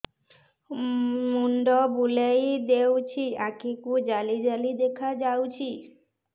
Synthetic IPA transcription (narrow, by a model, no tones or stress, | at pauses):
muɳɖɔbulejd̪ewt͡ɕʰiakikud͡ʒalid͡ʒalid̪ekʰad͡ʒawt͡ɕʰi